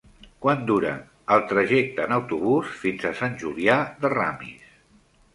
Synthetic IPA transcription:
kwand̪uɾə̰ | əlˠt̪ɾəʒɛk̚t̪əːnəwt̪uβusfinzəsanʲʒuliaðəramḭs

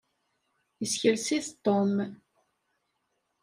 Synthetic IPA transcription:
jəsçəlsiθt̪ːom

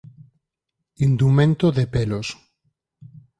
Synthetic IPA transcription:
ind̪umẽnt̪oðepelos

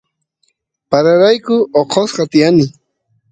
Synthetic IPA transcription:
paɾaɾajkʊoqʰosqɑt̪ɪjanɪ

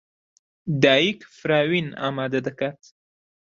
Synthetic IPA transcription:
d̪ɑikfɾɑːwinɑ̰ːmɑːd̪ad̪akat̪

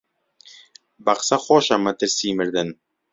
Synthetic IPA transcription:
baqsaχoʃamat̪ɘɾsimɘɾd̪ɘn

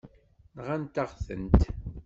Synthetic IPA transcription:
nʁænt̪aʁθə̰nt̪

